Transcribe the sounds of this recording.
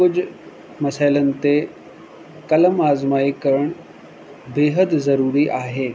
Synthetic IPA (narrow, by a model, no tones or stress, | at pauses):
kʊd͡ʑʱʊ | mɐsaːɪlənɪ̆t̪e | kɐləmaːzmaːikɐɾəɽ̃ | beːɦəd̪zɐɾuːɾiʔaːɦeː